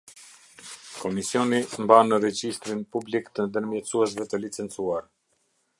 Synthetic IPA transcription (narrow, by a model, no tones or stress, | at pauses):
kɔmisjɔnimbanəɾɛd͡ʑist̪ɾinpublikt̪ənd̪əɾmjɛt̪t͡suɛsvɛt̪əlit͡sɛnt͡suaɾ